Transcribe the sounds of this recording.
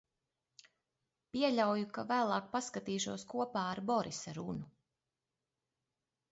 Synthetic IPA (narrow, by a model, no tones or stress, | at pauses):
piɛʎʲawjukavæːlˠɑːk̚paskat̪iːʃuɔskuɔpaːɾbɔɾisaɾunu